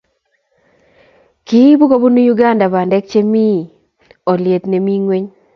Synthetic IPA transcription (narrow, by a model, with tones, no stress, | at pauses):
ki˦bu˦ko˦bu˦nu˦ju˦ɡa˦˨nda˨ba˨ndɛ˦k̚t͡ʃe˦mi˦˨ | ɔ˨lje˨t̪ne˨mi˦ŋwe˦ɲ